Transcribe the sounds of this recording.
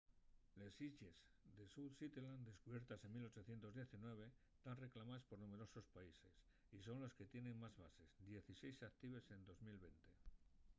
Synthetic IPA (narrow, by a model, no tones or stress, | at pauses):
lesiʝe̞z | d̪e̞suðsit̪eland̪e̞skuβje̞ɾt̪ase̞nmilo̞t͡ʃo̞θje̞nt̪o̞zðje̞θinwe̞β̞e̞ | t̪anre̞klamaspo̞ɾnume̞ɾo̞sospaise̞s | iso̞nloske̞t̪je̞nẽ̞ŋmazβase̞zd̪je̞θise̞jsak̚t̪iβ̞e̞se̞nd̪o̞zmilβe̞nt̪e̞